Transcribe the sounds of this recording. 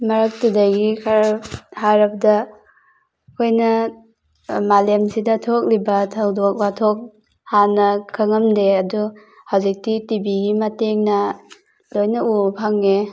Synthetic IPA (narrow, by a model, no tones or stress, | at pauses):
mɐɾɐk̚tudajɡikʰaɾhaɾɐbdɐ | kʰojnɐ | malemsidɐtʰok̚libɐtʰawdok̚batʰok̚ | hanɐkʰɐŋɐmdeɐdu | hawzik̚titibiɡimɐteŋnɐ | lojnɐupʰaŋe